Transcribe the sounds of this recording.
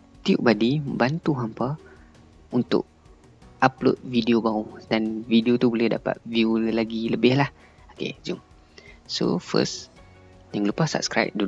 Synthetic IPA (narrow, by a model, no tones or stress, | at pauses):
t̪iṵʔbadiməbant̪uɦampa | unt̪ʊ̰ʔ̚ | ʔaplo̰t̪̚vidiobaɣudanvidiot̪ubolɛhda̰pa̰t̪̚viulaɡiləbɪhlah | okḛd͡ʒum | so̰fə̰s | jaŋlupasa̰p̚skɾa̰jp̚du